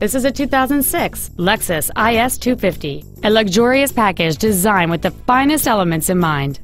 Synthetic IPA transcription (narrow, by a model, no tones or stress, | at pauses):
ðɪsɨzɨtʰʉθaʊzə̃n̩d̥sɪkslɛksɨsaɪɛstʰʉfɪfti | ɨlʌɡʒɔɹiɨspʰækɨ̥d͡ʒdɨzãɪ̃nwɨðɨfãɪ̃nɨstɛlˠəmɨ̃ntsɨ̃nmãɪ̃nd̥